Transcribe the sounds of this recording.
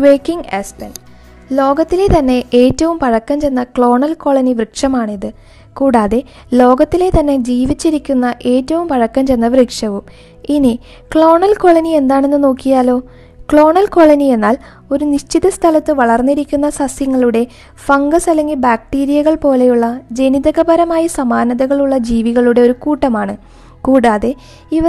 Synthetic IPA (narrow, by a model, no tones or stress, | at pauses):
ʋeːkːiŋɡḛspen | lo̞ːɡɐt̪ːile̞t̪ɐnːe̞ʔeːtːɐʋumpɐɻɐkːɐmt͡ɕe̞nːɐkɭo̞ːɳɐlko̞ːɭɐniʋrɨkʂɐmaːɳiðɨ | kuːɽaːðe̞ | lo̞ːɡɐt̪ːile̞t̪ɐnːe̞d͡ʑiːʋit͡ɕːiɾikʲːunːɐʔe̞ːtːɐʋumpɐɻɐkːɐmt͡ɕe̞nːɐʋrikʂɐʋum | ini | kɭo̞ːɳɐlko̞ːɭɐnie̞nd̪aːɳe̞nːɨno̞ːkːijaːlo̞ː | kɭo̞ːɳɐlko̞ːɭɐnie̞nːaːl | o̞ɾuniɕt͡ɕiðɐst̪ʰɐlɐt̪ːɨʋɐɭɐrnːiɾikʲːunːɐsɐsjɐŋːɐɭuɽe̞ | fɐŋɡɐsɐle̞ŋɡilbaːk̚ʈiːɾijɐɣɐɭpo̞ːle̞juɭːɐd͡ʑe̞niðɐɣɐbɐɾɐmaːjisɐmaːnɐðɐɣɐɭuɭːɐd͡ʑiːʋiɣɐɭuɽe̞o̞ɾukuːʈːɐmaːɳɨ | kuːɽaːðe̞ | iʋɐ